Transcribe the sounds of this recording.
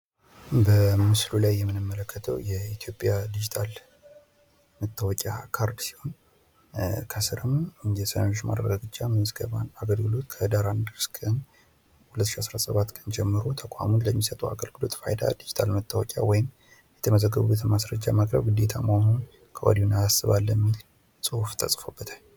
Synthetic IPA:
bəmɨslulajːɛmːɨnɨmːələkːət̪ʰəwjɛit̪ʰjo̞pʼjad̪id͡ʒit̪ʰal | mət̪ːawɔkʲʼa̰kʰaɾd̪si̥ho̞n | kʰəsɨɾɨmjɛsənaot͡ʃːma̰d̪ɾəɡaɡɨt͡ʃʼːamsɡəβanaɡəlɡɨlo̞t̪kʰəd̪aɾand̪əɾskʰən | hulət̪ːʃiasɾasəβat̪kʼənd͡ʒɛmːɨɾot̪ʰəkʷʼa̰munləmːisət̪ʼua̰ɡəlɡɨlo̞t̪fa̰jd̪a̰d̪id͡ʒit̪ʰalmət̪ʰːawɔkʲʼja̰wɔjɪm | jɛt̪ʰəməzəɡːəβubːət̪ʰnmasɾəd͡ʒːamakʼɾə̰βɡɨd̪et̪ʰa̰mawhun | kʰəʔɔ̰d̪iunaasɨβalːəmːil | sʼɨhuft̪ʰəsʼfobːət̪ʰaɲ

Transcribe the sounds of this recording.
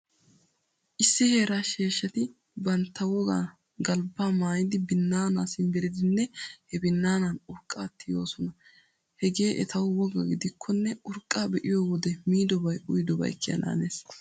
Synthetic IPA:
ʔɪsːɪhe̞ːɾaːʃeːʃːɐt̪ɪ | bɐnt̪ːɐwɔɡa̰ː | ɡɐlbaːmaːjɪd̪ɪbɪnːaːnaːsɪnbɛɾɪd̪ɪnːɛhɛbɪnːaːnɐnʊɾkʼːaːt̪ːɪjo̞ːsɔnɐ | hɛɡe̞ːʔɛ̰t̪ɐwʊwɔɡɐ̰ɡɪd̪ɪkʰːɔnːɛʊɾkʼːaːbɛʔɪjɔwɔd̪ɛmiːd̪ɔbɐjʊjd̪ɔbɐ̰jkːɪɐ̰na̰ːneːs

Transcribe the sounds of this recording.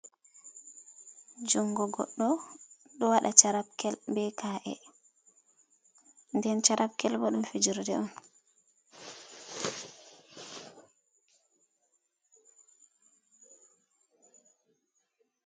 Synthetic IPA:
d͡ʒuŋɡɔɡɔ̰ɗːɔ | ɗɔwaɗat͡ʃaɾab̚kɛlbɛkaːʔɛ̰ | ndɛnt͡ʃaɾʔab̚kɛlbɔɗumfid͡ʒiɾdɛ̰ɔn

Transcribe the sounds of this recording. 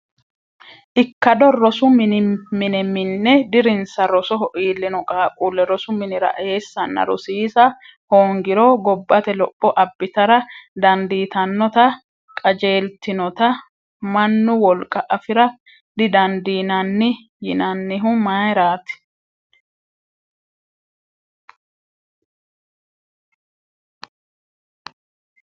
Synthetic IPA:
ʔɪkːɐd̪ɔɾɔsʊmɪnmɪnɛmɪnːɛd̪ɪɾɪnsɐɾɔsɔɦɔʔiːlːɪnɔkʼaːkʼuːlːɛɾɔsʊmɪnɪɾɐ̰ʔe̞ːsːɐnːɐ̰ɾʊ̰siːsɐ | hoːŋɡɪɾoɡɔbːɐt̪ɛlɔpʼːɔʔɐbːɪt̪ɐɾɐd̪ɐnd̪iːt̪ɐnːɔt̪ɐ | kʼɐd͡ʒe̞ːlt̪ɪnɔt̪ɐ | mɐnːʊwɔlkʼɐʔɐfɪɾɐ | d̪ɪd̪ɐnd̪iːnɐnːɪ | jɪnɐnːɪɦʊmajɾaːt̪ɪ̥

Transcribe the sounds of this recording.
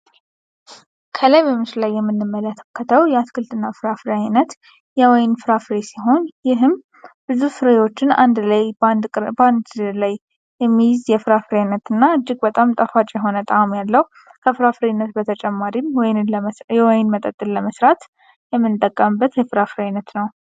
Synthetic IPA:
kʰəlajbəmɨʃllajːɛmːɨnːɨmːələt̪ʰəkʰːət̪ʰəwjɛaskʰɨlt̪ʰɨnːafɨɾafɾajnət̪ | jɛwɔjnfɨɾafɾesiɦo̞njɪɦɨm | b̥ɨzufɨɾewo̞t͡ʃːɪna̰nd̪lajnd̪ʼnd̪lajː | ɛmːijɪzjɛfɨɾafɨɾanːət̪ɨnːaɨd͡ʒːɪɡbət̪ʼamt̪ʼəfat͡ʃʼjɛɦo̞nət̪ʼamjalːəhu | kʰəfɨɾafɨɾenːət̪bət̪ʰət͡ʃʼɛmːaɾimwɔjnɨnjɛwɔjnmət̪ʼət̪ʼːɨlləməsɾat̪ | jɛmːɨnt̪ʼəkʼːəmɨbːət̪jɛfɨɾafɨɾajnːət̪nəw

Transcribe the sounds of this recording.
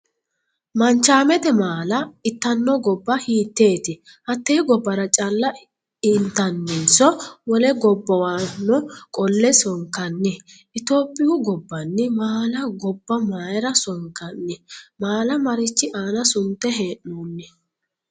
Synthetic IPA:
mɐnt͡ʃːaːmɛt̪ɛmaːlɐɪt̪ːɐnːɔɡɔbːɐhiːt̪ːe̞ːt̪ɪ | hɐt̪ːeːɡɔbːɐɾɐt͡ʃʼɐlːɐ | ɪnt̪ːɐnːɪnsɔwɔlɛɡɔbːɐwanːɔkʼɔlːɛsɔŋkɐnːɪʔɪt̪o̞ːpʼːɪjʊɡɔbːɐnːɪmaːlɐɡɔbːɐmaːjɛɾɐsɔŋkːɐnːɪmaːlɐmɐɾɪt͡ʃːɪʔaːnɐsʊnt̪ːɛɦeːʔnoːnːɪ

